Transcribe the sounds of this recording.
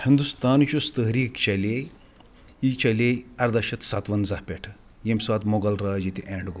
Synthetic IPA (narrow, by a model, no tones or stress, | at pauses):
hind̪ust̪aːnt͡ʃust̪əɦɾiːkt͡ɕɐlej | it͡ʃɐleɐɾd̪ɐʃɐt̪sat̪ʋɐnzapʲɛʈʰ | jemsʋat̪moɡɐlɾaːd͡ʑit̪iʔeɳɖɡo